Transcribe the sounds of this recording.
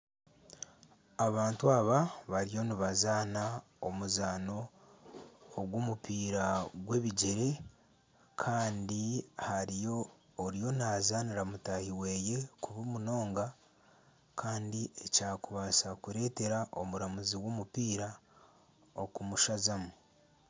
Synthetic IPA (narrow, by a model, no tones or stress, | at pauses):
aβaːntuaːβaβaɾijo̞niβazaːna | omuzaːno̞ | ɡwomupiːɾaɡwe̞βiɟe̞ɾe̞ | kʰaːndihaɾijo̞ː | ɾijo̞nazaːniɾamutahiwe̞ːje̞kuβumuno̞ːŋɡa | kʰaːndiecaːkuβasakuɾe̞ːte̞ɾaʔomuɾamuziwomupiːɾa | o̞̰kumuʃazamu